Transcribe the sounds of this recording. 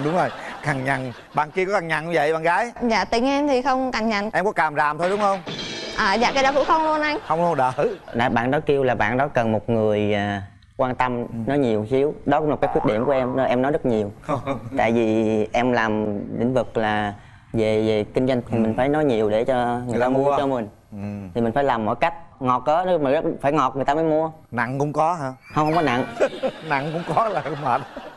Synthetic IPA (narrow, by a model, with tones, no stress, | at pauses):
ɗʊ˨˦ŋ͡mzo˨˩jka˨˩ŋɲa˨˩ŋ | ɓa̰ː˧˨nki˧əkɔ˨˦˥ka˨˩ŋɲa̰˧˨nɲ˧və̰˧˨jɓa̰ː˧˨ŋɣaː˨˦jza̰ː˧˨t̪ḭ˨˧˩əŋʔɛ˧mt̪ʰi˨˩xə˧wŋ͡mka˨˩ŋɲa̰˧˨ŋʔɛ˧mkɔ˨˦kaː˨˩mzaː˨˩mt̪ʰo˧jɗʊ˨˦ŋ͡mxə˧wŋ͡mʔaː˨˩za̰ː˧˨kaː˨˦jɗa˨˦kṵ˧˥˦xə˧wŋ͡mlu˧ənʔa˧jxə˧wŋ͡mlu˧ənɗəː˧˨˩na̰ː˧˨˩ɓa̰ː˧˨nɗɔ˨˦jki˧wlaː˨˩ɓa̰ː˧˨nɗɔ˨˦kə˨˩nmo˨˩t̚ŋɨ˨˩əjaː˨˩ | kwaː˧nt̪ə˧mnɔ˨˦jɲi˨˩əwsi˨˦əwɗɔ˨˦kʊ˧˥ŋ͡mla˨˩kːaː˨˦kwt̚ɗḭ˧˨əmku˧˩ʔɛ˧mː˨˩ʔɛ˧mnɔ˨˦jzə˦˥t̚ɲi˨˩əwt̪a̰ː˧˨jvi˨˩ʔɛ˧mlaː˨˩mlḭ̈˧˥ŋ̟vɨ˨˩k̚laː˨˩ | ve˨˩ve˨˩kï˧ŋza˧jŋ̟t̪ʰi˨˩mï˨˩ŋ̟faː˧˩jnɔ˨˦jɲi˨˩əwɗe˧˩t͡ɕɔ˧ŋɨ˨˩j̪t̪aː˧mu˧ə˧t͡ɕɔ˧mï˨˩ŋ̟ | t̪ʰi˨˩mï˨˩ŋ̟faː˧˦jlaː˨˩mːɔ̰˧˨jka˦˥jk̟̚ŋɔ˨˩t̚ʔəː˨˦nɔ˨˦ma˨˩zə˦˥t̚faː˧˩jŋɔ˨˩t̚ŋɨ˨˩ət̪aː˧məː˨˦jmu˧ə | na̰˧˨ŋkʊ̰˧˥ŋ͡mkɔ˨˦ɦaː˧hwhə˧wŋ͡mkɔ˨˦na̰˧˨ŋna̰˧˨ŋkʊ̰˧˥ŋ͡mkɔ˨˦la˨˩˨ma˨˩t